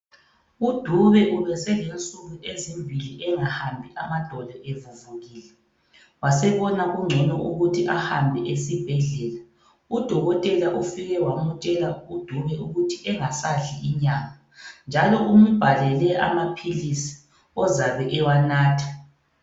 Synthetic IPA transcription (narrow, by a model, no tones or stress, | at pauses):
ud̥ʱuβɛʔulɛsɛlent͡sʼuɣuʔezimbʱiliʔɛŋahambʱiʔamad̥ʱɔlʱɔʔevuvuɣiːlɛ | wasɛβɔnaɣuŋ͡ǀʱɛnɔʔuɣutʰiʔahambʱɛʔesib̥ʱɛɮɛːla | ud̥ʱɔɣɔtʼɛlaʔufiɣɛwamut͡ʃʼɛlaud̥ʱuβɛuɣutʰiʔɛŋasaɬiiɲaːŋa | nd͡ʒʱalɔʔum̩b̥ʱalɛlɛʔa̰mapʰilisi̥ | ɔzaβɛʔɛwanaːtʰḁ